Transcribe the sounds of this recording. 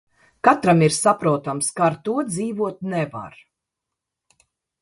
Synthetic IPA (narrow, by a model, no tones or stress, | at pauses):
kat̪ɾamiɾsapɾuɔt̪amskaːɾt̪uɔd̪ziːvuɔt̪̚nɛva̰ɾ